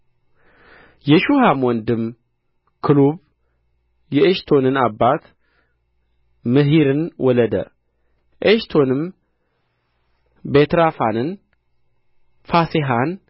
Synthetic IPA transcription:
jɛʃuhamwɔnd̪ɨm | kʰɨluβ | jɛeʃt̪ʰo̞nɨnabːat̪ | mɨɦiɾɨnwɔləd̪ə̰ | ʔeʃt̪ʰo̞nɨm | bet̪ɾafanɨn | faseɦan

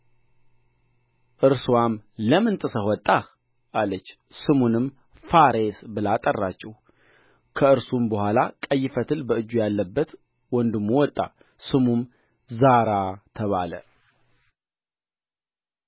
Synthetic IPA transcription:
ʔɨɾswamləmɨnt̪ʼɨsəhwɔt̪ʼːa | ʔalət͡ʃː | sɨmunɨm | faɾesbɨlat̪ʼərːat͡ʃːɛh | kʰəɨɾsumbəhʷalakʼəjːɪfət̪ʰɨlbəɨd͡ʒːujalːəbːət̪ | wɔnd̪ɨmːuwɔt̪ʼːa̰ | sɨmum | zaɾat̪ʰəβalə̰

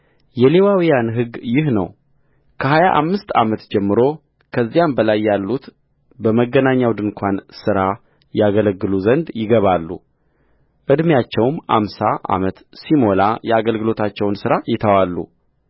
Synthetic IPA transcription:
jɛle̞wawijanɦɨɡjɪɦnə̰w | kʰəɦajaʔa̰mːɨst̪a̰mət̪d͡ʒɛmːɨɾo̞ | kʰəzːijambəlajːalːut̪ | bəməɡːənaɲːawd̪ɨnkʷʰansɨɾa | jaɡələɡːɨluzənd̪jɪɡəβalːṵ | ʔɨd̪mjat͡ʃːɛwmʔa̰msaʔa̰mət̪simo̞lajɛaɡəlɡɨlo̞t̪ʰat͡ʃːɛwnsɨɾajɪt̪ʰəwalːṵ

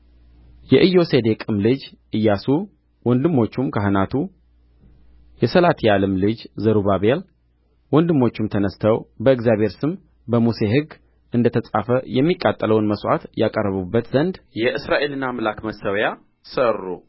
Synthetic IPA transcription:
jɛʔɨjːo̞se̞d̪e̞kʼɨmlɨd͡ʒʔɨjːasu | wɔnd̪ɨmːo̞t͡ʃːumkʰəɦɨnat̪ʰu | jɛsəlat̪ʰialəmlɨd͡ʒzəɾuβaβel | wɔnd̪ɨmːo̞t͡ʃːumt̪ʰənəst̪ʰəwbəɨɡzjaβʱhe̞ɾsɨm | bəmuse̞ɦɨɡː | ʔɨnd̪ət̪ʰəsʼafəjɛmːikʼːat̪ʼːələwnməswʔa̰t̪jakʼərːəβubːət̪zənd̪jɛʔɨsɾaʔe̞lɨnːamlakməsəwja | sərːu

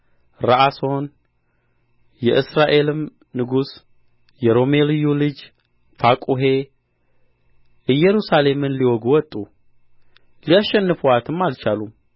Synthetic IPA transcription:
ɾaʔaso̞n | jɛʔɨsɾaʔe̞lɨm | nɨɡus | jɛɾo̞me̞lɨjulɨd͡ʒ | fakʼuɦe̞ | ʔɨjɛɾusale̞mɨnliwɔɡuwɔt̪ʼːu | lijaʃːɛnːɨfuat̪ʰɨmːalt͡ʃalum

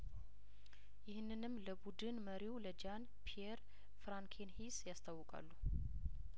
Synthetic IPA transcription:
jɪhɨnːɨnɨmːləbud̪ɨnməɾiwləd͡ʒan | pʰieɾ | fɾaŋkʰenhisjast̪ʰawːɔkʼa̰lːu

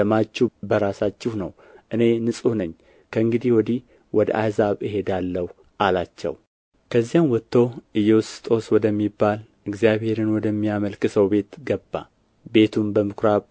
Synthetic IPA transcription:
əmat͡ʃːɪbəɾasat͡ʃːɪhnəw | ʔɨne̞nɨsʼunəɲː | kʰəɨŋɡɨd̪ihwɔd̪ih | wɔd̪əʔa̰jzaβɨɦe̞d̪alːəw | ʔalat͡ʃːɛ̰w | kʰəzːijanwɔt̪ʰːo̞ʔɨjːɛwst̪ʼo̞swɔd̪əmːibːalʔɨɡzijaβhe̞ɾɨnwɔd̪əmːijaməlkɨsəwbe̞t̪ɡəbːa̰ | be̞t̪ʰumbəmɨkʰɾaβ

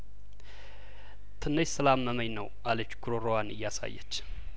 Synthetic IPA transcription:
t̪ʰɨnːəjsəlamːəməjnəwʔalət͡ʃːɡuɾoɾowanɨjːasa̰jːə̰t͡ʃː

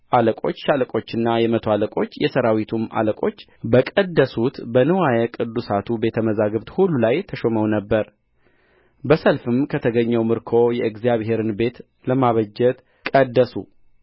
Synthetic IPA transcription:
ʔaləkʼo̞t͡ʃːʃaləkʼo̞t͡ʃːɨnːajɛmət̪ʰoaləkʼo̞t͡ʃːjɛsəɾawit̪ʰumʔa̰ləkʼo̞t͡ʃː | bəkʼəd̪ːəsut̪bənɨwajɛkʼɨd̪ːusat̪ʰube̞t̪ʰəməzaɡəβt̪hulːulajt̪ʰəʃoməwnəbːəɾ | bəsəlfɨmkʰət̪ʰəɡəɲːɛwmɨɾkʰo̞jɛɨɡzijaβɦe̞ɾɨnbe̞t̪ | ləmaβəd͡ʒːɛt̪ | kʼəd̪ːəsṵ

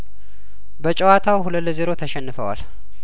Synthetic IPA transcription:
bət͡ʃʼəwat̪ʰawhuləlːzeɾo̞t̪ʰəʃɛnːɨfəwa̰l

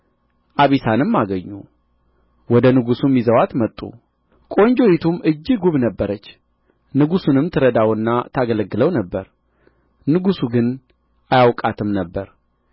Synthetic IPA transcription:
ʔaβisanɨmːaɡəɲːu | wɔd̪ənɨɡusumːizəwat̪mət̪ʼːṵ | kʼo̞ɲd͡ʒo̞jit̪ʰumʔɨd͡ʒːɪɡuβnəbːəɾət͡ʃː | nɨɡusunɨmt̪ʰɨɾəd̪awɨnːat̪ʰaɡələɡːɨləwnəbːəɾ | nɨɡusuɡɨn | ʔajawkʼat̪ʰɨmnəbːəɾ

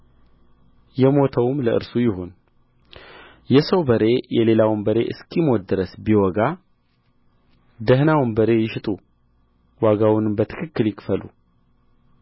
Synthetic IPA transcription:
jɛmo̞t̪ʰəwmləʔɨ̰ɾsujɪho̞n | jɛsəwbəɾe̞jɛle̞lawmbəɾe̞ʔɨskʰimod̪ɨɾəsbiwɔɡa | d̪əɦnawmbəɾe̞jɪʃt̪ʼu | waɡawnɨmbət̪ʰɨ̥kʰɨkːɨljɪkfəlṵ

